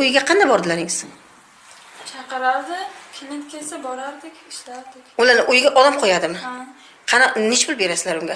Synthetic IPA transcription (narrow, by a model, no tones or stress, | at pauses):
ojɪɡʲaqʰɑnd̪abɒɾd̪ɪlaɾɪŋz̥sɪŋ | t͡ʃʰɑqɨɾaɾd̪ɪkʲʰɪnent̪kʲʰelsabɒɾaɾd̪ɪkʲɪʃlaɾd̪ɪkʲʊlaɾnɪʔojɡʲaʔɒlamqʰɒjad̪ɪmɪ | qʰɑnanɪʃpɪlˠbe̞ɾasɪlaɾʊŋɡʲa